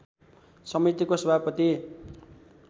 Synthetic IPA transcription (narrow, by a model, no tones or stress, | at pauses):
sʌmit̪ikosʌbʱapʌt̪i